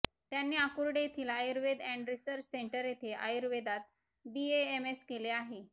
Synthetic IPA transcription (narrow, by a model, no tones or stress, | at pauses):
t̪janːiːakuɾɽet̪ʰiːlajɾʋed̪æ̃ɳɖɾisəɾt͡ɕseɳʈəɾjet̪ʰeʔa̰jɾʋed̪at̪̚ | bieemeskeleaɦe